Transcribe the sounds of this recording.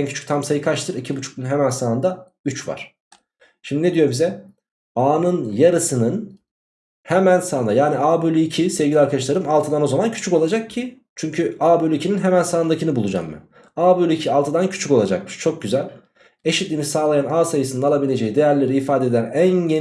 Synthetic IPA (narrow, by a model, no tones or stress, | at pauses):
ncʰyt͡ʃʰy̥t̪ʰamsajɯkʰaʃt̪ʰɯɾicʰibut͡ʃʰu̥k̚t̪unɦemænsaːɯnd̪a | yt͡ʃva̰ɾ̥ | ʃimd̪ined̪ijo̞ɾbizɛ | aːnɯnjaɾɯsɯnɯn | hemænsaːnd̪ajaːniaːbølʲiicʰisevɟilʲiaɾkʰad̪aʃlˠaɾɯmalˠt̪ʰɯd̪ano̞zamancʰy̥t͡ʃʰykolˠad͡ʒak̚cʰi | t͡ʃʰyɲcʰyaːbølʲyicʰininɦemænsaːɯnd̪acʰinɯbulˠud͡ʒa̰mːɯ̰ | aːbølʲycʰialˠt̪ʰɯd̪ancʰy̥t͡ʃʰyko̞lˠad͡ʒa̰k̚mɯ̥ʃt͡ʃʰo̞k̚ɟyzælʲ | e̞ʃit̪lʲinisaːlˠajanaːsajɯsɯnɯnalˠabilʲe̞d͡ʒe̞jid̪e̞jæɾlʲe̞ɾiːfaːd̪ed̪ænænje